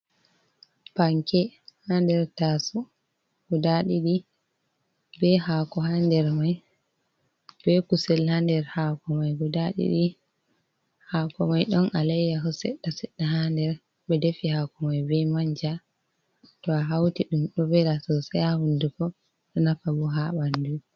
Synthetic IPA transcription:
paŋkɛhandɛɾtasɔ | ɡ̥ɔdaɗiɗi | bɛhaːkɔɦandɛɾmaj | b̥ɛkusɛlhandɛɾhaːkɔmajɡɔdaɗḭɗi | hakɔmajɗɔnʔalɛjːakɔsɛ̰ɗːasɛɗːaɦandɛɾ | ɓɛdefihakɔmajbɛmaɲd͡ʒa | tɔaɦawtiɗumɗɔbɛlasɔsɛahundukɔ | ɗɔnafabɔɦaɓandu

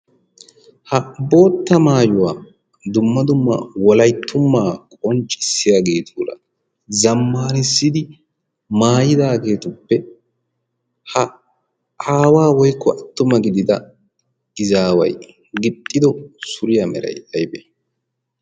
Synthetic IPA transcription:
hɐbo̞ːt̪ːɐmaːjʊwaː | d̪ʊmːɐd̪ʊmːɐ̰wɔlɐjt̪ʰːʊmːaːkʼɔnt͡ʃʼːɪsːɪjaːɡe̞ːt̪ʰuːɾɐ̰ | zɐmːaːɾɪsːɪd̪ɪ | maːjɪd̪aːɡe̞ːt̪ʊpːɛ | hɐ | ʔaːwaːwɔjkːɔɐt̪ːʊmɐɡɪd̪ɪd̪ɐ | ɪzaːwɐ̰j | ɡɪt̪ʼːɪd̪ɔsʊɾɪjɐmɛɾɐ̰jd̪ɐjbe

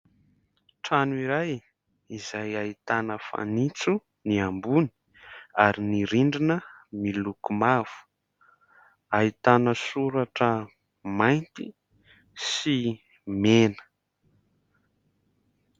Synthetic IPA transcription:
ʈ͡ʂanuiɾaj | izajait̪anəfa̰nit͡su | niambuni̥ | aɾiniɾiɳɖ͡ʐinəmilukumav̥u̥ | ait̪anəsuɾaʈ͡ʂə | majnt̪ḭ | si | menə̥

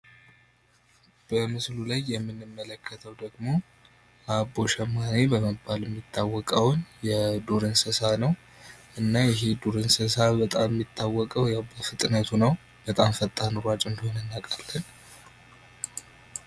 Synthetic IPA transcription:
b̥əmɨslulajːɛmːɨnːɨmːələkʰːət̪ʰəwd̪əɡmo̞ | ʔaboʃɛmːanebəməbːaljɛmːit̪ʰːawːɔkʼəwnjɛd̪uɾɨnsəsanəw | ʔɨnːajɪɦe̞d̪uɾɨnsɨsabət̪ʼamːit̪ʰːawːɔkʼəwjawbəfɨt̪ʼnət̪ʰunəw | b̥ət̪ʼamfət̪ʼːanuɾat͡ʃʼɨnd̪əhonɨnːakʼalːən

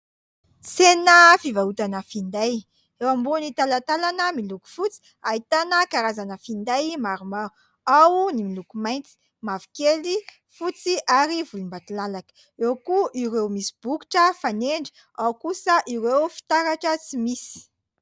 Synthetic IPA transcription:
senəfivaut̪anəfind̪aj | ewambunit̪alat̪alanəmiluku̥fut͡si̥ | ait̪anəkaɾazanəfind̪ajmaɾuma | awnimilukumajnt͡si̥ | mavi̥keli | fut͡siʔaɾivulumbat̪ulalakə̥ | ewkuʔiɾewmisi̥b̥uki̥ʈ͡ʂəfaneɳɖ͡ʐi̥ | awkusəʔiɾewfi̥t̪aɾaʈ͡ʂət͡simisi̥

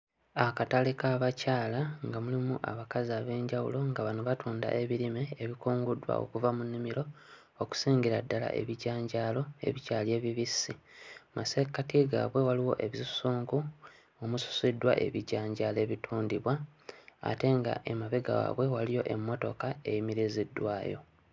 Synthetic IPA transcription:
akatalikaːβacaːlaŋɡamulimuʔa̰βakaziaβe̞ːɲɟawṵlo̞ŋɡaβanoβatuːnda̰ʔe̞βiɾimeːβikuːŋɡudwa̰o̞̰kuvamunːimiɾo̞ | oku̥siːŋɡiɾadːala̰ʔe̞̰βiɟaːɲɟaːlo̞e̞̰βicaːlje̞ːβiβisːimase̞kːatiɡa̰βwe̞waliwo̞ʔe̞βizusuːŋɡu | omusu̥sidːwa̰ʔe̞̰βiɟaːɲɟale̞ːβitʰuːndiβwaa̰te̞ŋɡa̰ʔemaβeɡa̰wa̰ːβwe̞walijo̞ʔe̞mːo̞to̞̰kae̞jimiɾizidːwaːjo̞̰

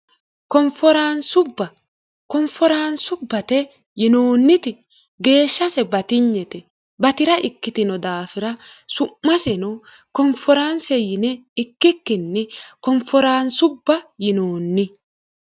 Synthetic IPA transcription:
kɔmfɔɾansʊbːɐ | kɔmfɔɾaːnsʊbːɐt̪ɛ | jɪnoːnːɪt̪ɪ | ɡe̞ːʃːɐsɛbɐt̪ɪɲːɛt̪ɛ | bɐt̪ɪɾɐʔɪkːɪt̪ɪnɔd̪aːfɪɾɐsʊmːɐsɛnɔ | kɔmfɔɾansɛjɪnɛɪkːɪkːɪnːɪkɔmfɔɾaːnsʊbːɐjɪnoːnːɪ

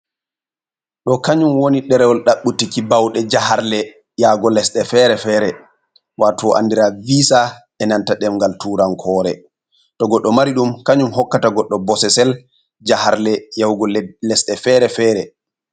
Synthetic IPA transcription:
ɗɔkaɲumwoniɗɛɾɛwɔlɗaɓːutikibawɗɛd͡ʒahaɾlɛ | jaɡɔlɛsɗɛfɛɾɛfɛːɾɛ | waːtɔʔa̰ndiɾaviːsaʔɛnantaɗɛmŋɡaltuːɾankʰɔːɾɛ | tɔɡɔɗːɔmaɾiɗumkaɲumɦɔkːataɡɔɗːɔbɔsɛsɛl | d͡ʒahaɾlɛjawɡɔlɛsɗɛfɛɾɛfɛːɾɛ

